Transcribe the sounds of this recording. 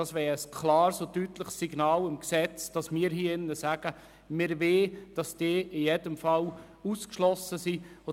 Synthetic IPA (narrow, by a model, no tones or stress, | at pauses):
ɑsʋɛːɾəskʰlɑːɾsotytləχsːiɡnɑːlɪmksɛt͡sd̥ɑsmɪːəɾɦiːɪnːəsæɡ̥ə | mɪɾʋeːd̥ɑsd̥eːʔɪjedəmfɑl | uskʃlɔsəsio